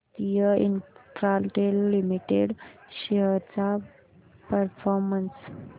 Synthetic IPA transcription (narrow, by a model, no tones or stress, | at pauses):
t̪ijəinfɾalʈelːimiʈeɽɕeɦəɾt͡sa | pəɾfʰɔɾməns